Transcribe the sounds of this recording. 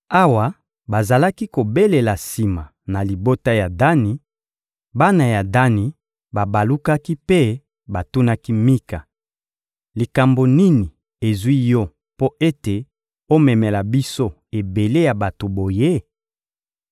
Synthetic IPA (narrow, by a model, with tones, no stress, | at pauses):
a˦wa˨ | ba˨za˨la˦ki˦ko˨be˦le˨la˨si˨ma˨ | na˨li˨bo˦ta˦ja˨da˦ni˨ | ba˦na˨ja˨da˦ni˨ | ba˨ba˨lu˦ka˦ki˦pe˦ | ba˨tu˦na˦ki˦mi˦ka˨ | li˨ka˨mbo˨ni˦ni˨ | e˨zwi˦jɔ˦ | po˦ʔe˦te˨ | o˦mɛ˨mɛ˨la˨bi˦so˦ | e˨be˨le˦ja˨ba˨to˨bo˨je˦